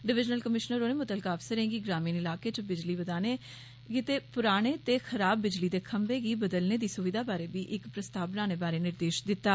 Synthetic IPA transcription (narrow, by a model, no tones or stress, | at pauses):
ɖɪʋɪd͡ʒnəlkəmɪʃnəɾoːneːmʊt̪əlkaːpsəɾẽːɡiːɡɾaːmiːnɪlaːkeːt͡ʃəbɪd͡ʒliːbəd̪aːneː | ɡit̪eːpʊɾaːɽ̃eːt̪eːxʰəɾaːbːɪd͡ʒliːd̪eːkʰəmbeːɡiːbəd̪əlneːd̪iːsʊʋɪd̪aːbaːɾeːbiːʔɪkpɾəst̪aːbnaːñeːbaːɾeːnɪɾd̪eːʃd̪ɪt̪ːaː